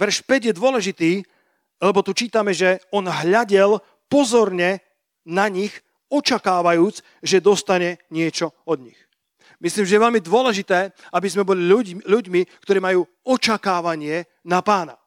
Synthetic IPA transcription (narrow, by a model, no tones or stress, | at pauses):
ʋɛɾʃpɛɟjɛd̪ʊɔlɛʒit̪iː | lɛbɔt̪ut͡ʃiːt̪amɛʒɛɔnɦʎaɟɛl | pɔzɔɾɲɛ | naɲix | ɔt͡ʃakaːʋajuːt͡s | ʒɛd̪ɔst̪aɲɛɲɪɛt͡ʃɔɔd̪ɲix | misliːmʒɛjɛʋɛlmid̪ʊɔlɛʒit̪ɛːabizmɛbɔliʎuɟmikt̪ɔɾiːmajuː | ɔt͡ʃakaːʋaɲɪɛ | napaːna̰